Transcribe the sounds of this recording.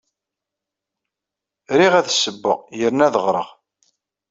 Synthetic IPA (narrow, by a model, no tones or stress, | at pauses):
ɾiʁæðsəbːə̰ʁjəɾnæðəʁɾˤə̰ʁ